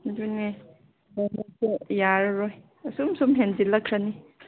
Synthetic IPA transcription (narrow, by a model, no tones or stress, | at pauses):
dune | mɔmɔpojaɾɾoj | sumsumɦendilɐkʰɾani